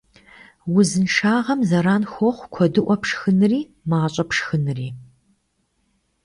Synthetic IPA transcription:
wʊzɨnʂaːʁɐmzɐɾaːnxʷɔχʷkʷʰɔdɨʔʷɔpʂxɨnɨriː | maːɕʼɐpʂxɨnɨriː

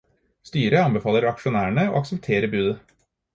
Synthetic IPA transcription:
st̪yːɾəɑnbəfɑːləɾɑkʂʊnæːəɳəo̰ːɑksəpt̪ʰeːɾəbʉːd̪ə

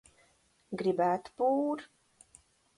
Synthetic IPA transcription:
ɡɾibat̪puːɾ

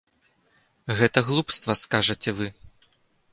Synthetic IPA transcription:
ɣɛt̪ɐɣlˠupst̪vɐskaʐɐt͡sʲɛvɨ

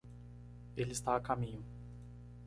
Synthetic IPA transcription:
elɪst̪aakamĩɲʊ

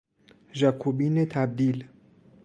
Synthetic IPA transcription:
ʒækʰubiːnet̪ʰæb̚d̪iːl

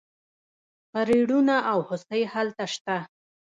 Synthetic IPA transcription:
paɾiɽunaʔawhʊsəjhalt̪aʃt̪a

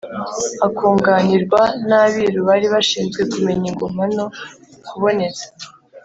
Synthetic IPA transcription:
akuːŋɡaniɾɡwanaβiɾuβaɾiβaʃiːnzɡwe̞kume̞ɲiɡom̥ano | kuβo̞ne̞zḁ

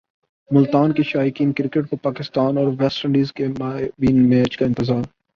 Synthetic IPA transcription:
mʊlt̪aːnkiʃaːɪkiːnkɾɪkəʈ̚kopaːkɪst̪aːnɔːɾʋɛsʈə̃ɳɖiːzkemaːʋiːnmɛːt͡ʃkaɪ̃nt̪ɪzaːɾ

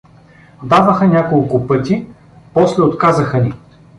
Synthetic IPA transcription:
d̪avəxənʲakolˠkʊpɤt̪ʲi | pɔslɛot̪kazɐxəni

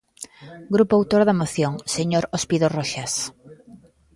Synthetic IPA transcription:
ɡɾupoawt̪oɾðɐmoθjoŋseɲoɾospiðoroʃas

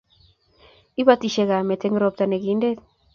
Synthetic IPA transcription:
iβat̪iʃeɣamet̪eŋɡɾop̚t̪aneɡindet̪

